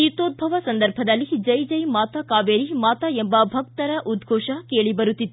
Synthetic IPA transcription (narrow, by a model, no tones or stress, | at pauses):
it̪oːt̪̚bʱɐʋɐsɐnd̪ɐɾbʱɐd̪ɐlːid͡ʒɐjd͡ʒɐjmaːt̪akaːʋeːɾimaːt̪ɐembɐbʱɐk̚t̪ɐɾɐʔud̪ɡʱɔːʂɐkeːɭibɐɾut̪ːit̪ːu